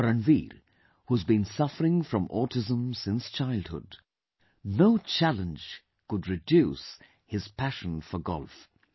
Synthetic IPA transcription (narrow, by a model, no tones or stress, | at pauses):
ɾɨ̃nviɾ | huzbĩnsʌfəɹɪ̃ŋfɹʌ̃mɔtɪzə̃msɪ̃nst͡ʃʰaɪlˠd̚hʊ̰d | noʊt͡ʃʰælˠə̃nd͡ʒ | kʊdɹɨdjus | hɪz̥pʰæʃə̃nfəɡɔ̰lˠf